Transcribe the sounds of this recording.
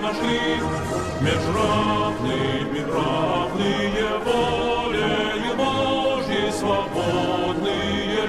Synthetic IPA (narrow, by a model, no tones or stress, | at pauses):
nɐʂlʲi | mʲɪʐravnɨmʲɪravnɨjɛvɔlʲe | ibɔʐjɪsvɐbɔd̪nɨ | jɛ